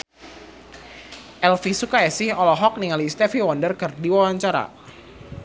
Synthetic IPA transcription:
ʔɛlfisukaɛsihɔlɔɦɔk̚niŋalist̪ɛfiwɔndərkərdiwawaɲt͡ʃaɾa̰

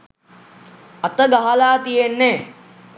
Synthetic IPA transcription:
at̪əɡaɦalaːt̪ijenːɛː

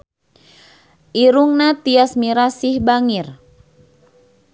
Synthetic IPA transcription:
ʔiɾuŋnat̪iasmiɾasɪhbaŋir

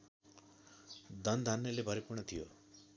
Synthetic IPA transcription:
d̪ʱʌnd̪ʱanjʌlebʱʌɾipurɳʌt̪ʰijo

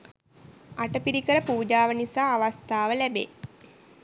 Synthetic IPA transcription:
aʈəpiɾikəɾəpuːd͡ʒaːʋənisaːaʋast̪aːʋəlæbḛ

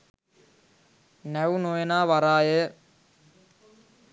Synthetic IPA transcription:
næʋunojenaːʋaɾaːjə

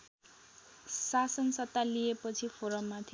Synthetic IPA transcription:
sasʌnsʌt̪ːalijepʌt͡sʰipʰoɾʌmːat̪ʰ

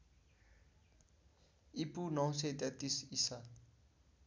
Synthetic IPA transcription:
ipunʌw̃set̪et̪isisa

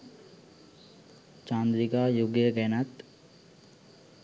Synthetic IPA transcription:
t͡ʃaːnd̪ɾiɡaːjuɡjəɡɛnat̪

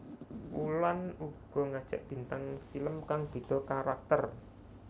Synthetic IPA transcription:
ʔulanuɡ̥ɔ̤ŋad̥ʒ̥a̤̰ʔb̥i̤nt̪aŋfiləmkaŋb̥i̤d̪̥ɔ̤kaɾak̚t̪ər

